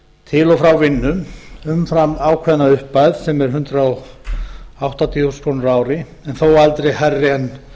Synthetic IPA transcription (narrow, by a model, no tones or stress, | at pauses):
t̪ʰɪlɔfɾawvɪnːʏmʏmfɾamaːwkʰvɛðnaʏhpajðsɛmɛɾ̥ɦʏnt̪ɾaɔɣ | awht̪at̪ʰiuskʰɔnʏɾaːwɾɪ | ɛnθowalt̪ɾejharːɛn